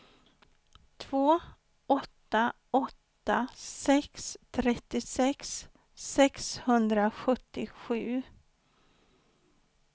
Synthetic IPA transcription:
t̪ʰv̥oː | ɔt̪ːa | ɔt̪ːasɛkst̪ʰɾɛt̪ːɪsɛksː | ɛkshɵnd̪ɾaɧɵt̪ːɪɧʉ̟ː

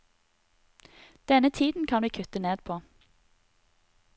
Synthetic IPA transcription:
d̪̥ɛnət̪ʰiːd̪n̩kʰɑnʋiːkʰʉt̪əneːd̪̚pʰoː

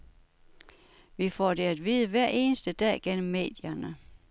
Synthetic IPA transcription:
ʋifɒd̥e̝æd̥ʋiːðˠəʋæɐ̰ʔe̝ːnəsd̥əd̥ɛ̰ːɡ̥en̰m̩ːe̝̰ːd̥jɐnə

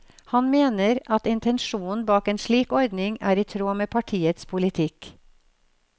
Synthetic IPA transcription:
hɑnmeːnəɾʔɑt̪ɪnt̪ʰɛnʃuːn̩bɑːkeːnʃɭiːkɔɾd̪nɪŋæ̰ːɾiːt̪ʰɾoːmeːpʰɑʈʰiːət̪spʰʊlɪt̪ʰɪk

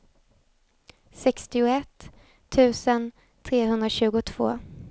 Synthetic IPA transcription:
sɛkst̪ɪʊɛt̪ʰː | ʉ̟ːsən | t̪ʰɾeːɦɵnd̪ɾaɕʉ̟ːɡʊt̪ʰv̥o̰ː

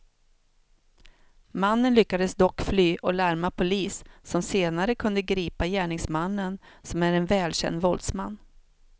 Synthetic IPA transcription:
manːənlʏkːad̪əsd̪ɔkːflyːʔɔlæɾmapʰʊliːsːɔmseːnaɾəkʰɵnd̪əɡɾiːpajæːɳɪŋsmanːənsɔmæɾɛnvɛːlɕɛ̰nd̪vɔld̪sma̰nː

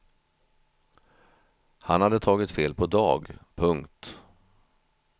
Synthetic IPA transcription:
hanhad̪ːət̪ʰɑːɡɪt̪feːlpʰɔd̪ɑ̰ːɡpʰɵŋkt̪

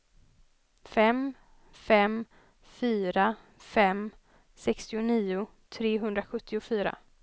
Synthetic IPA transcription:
fɛm | fɛm | fyːɾa | fɛm | sɛkst̪ɪʊniːʊ | t̪ʰɾeːɦɵnd̪ɾaɧɵt̪ʰːɪʊfyːɾa̰

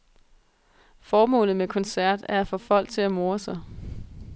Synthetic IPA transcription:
fɒːmɔ̰̽ːlð̩ˠmekʰɒ̽nsæɐ̰d̥æɐæfɒ̽fɒ̽l̰ɡ̥t͡sʰe̝læmo̝ːɐsɑ̈ɪ

